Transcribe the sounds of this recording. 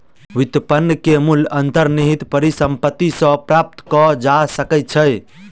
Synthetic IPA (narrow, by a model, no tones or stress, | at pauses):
ʋit̪əpənːəkemulənt̪əɾniɦit̪pəɾisəmpət̪ːisə̃pɾap̚t̪kɔd͡ʒasəkɛt̪̚t͡ʃʰəj